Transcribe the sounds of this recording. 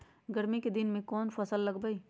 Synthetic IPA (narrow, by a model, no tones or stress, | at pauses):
ɡəɾmiked̪ɪnmẽkɔːnfɐsəlːɐɡbəi